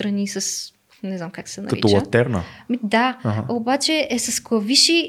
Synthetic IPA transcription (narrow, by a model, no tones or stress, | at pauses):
t̪ɾɐnisɐs | nɛznamkaksɛnɐ̰kɐḭɔt͡ʃlˠɐt̪ɛɾnnə̰mid̪aɦobat͡ʃɛɛsɐsklˠɐviʃi